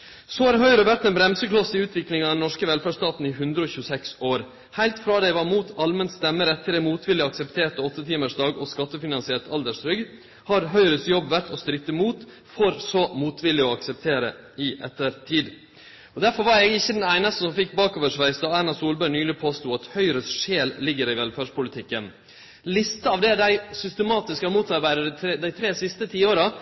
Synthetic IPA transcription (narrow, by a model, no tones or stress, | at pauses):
sohɑɾɦœʏɾəʋæɾt̪ɛnbɾɛmsəklɔsɪʉːt̪ʰʋɪklɪŋɑd̪ɛnɔʂkəʋɛlfæɖʂst̪ɑːt̪n̩ɪɦʉnd̪ɾəɔːçʉːsɛksoːɾ | hæɪlt̪fɾɑːd̪ɛɪʋɑmuːt̪ʰɑlmənst̪ɛmːəɾɛt̪ʰːɪlɛmuːt̪ʰʋɪlːɪɑksɛpt̪ʰeːʈ̪əɔt̪ːət̪ʰiːməʂd̪ɑːɡɔskɑt̪ːəfɪnɑnsɪɛʈ̪ʰɑld̪əʂɾʏɡ | hɑɾɦœʏɾəsjɔbːʋæɾʈ̪ɔst̪ɾɪt̪ːəmuːt̪ | fɔɾsɔmuːt̪ʰʋɪlːɪɔɑksɛp̚t̪ʰeːɾə̰ | ɪʔɛt̪ːəɾt̪ʰiːd̪ | ɔd̪æɾfɔɾʋɑɾɛɡɪçːəd̪ɛnæɪnɑst̪əsɔmfɪk̚ːbɑːkoːʋəʂʋæɪsd̪ɑɑnɑsuːlbœʏnyːlɪpʰoːst̪uːɑt̪hœʏɾəsʂeːllɪɡːəɾɪʋɛlfæːʂpʰʊlɪt̪ʰɪkːən | lɪst̪əɑʋd̪ɛɖ̪æɪsʏst̪əmɑːt̪ɪskɑmuːt̪ʰːɑɾbæɪɾəd̪æɪt̪ʰɾeːsɪst̪ət̪ʰiːoːɾɑ